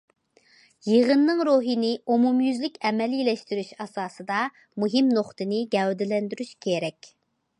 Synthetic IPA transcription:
jeʁənːɨŋɾuɦinɪumumjyzlɪkʲɛmɛlilɛʃt̪yɾyʃɑsɑːsɨd̪ɑ | muɦimnoχt̪ʰɨnɪɡʲɛwd̪ɪlɛnd̪yɾyʃkʲʰeɾɛkʲ

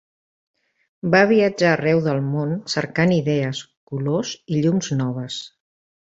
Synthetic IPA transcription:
baβiəd͡ʒaːrɛwðəlˠmonsəɾkaniðɛəskuloziʎumznɔβ̞əs

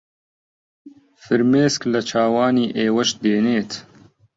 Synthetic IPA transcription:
fɨɾmeːsklɐt͡ʃʰaːwaːniːʔeːwɐʃd̪eːneːt̪

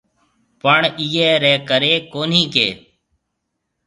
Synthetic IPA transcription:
pəɳiːɛːɾɛːkəɾeːkoːnĩːkḛː

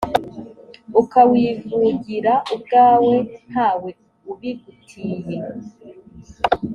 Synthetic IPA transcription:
ukawiːvuɟiɾaʔub̚ɡaːwe̞n̥haːwe̞ | uβiɡutʰiːje̞

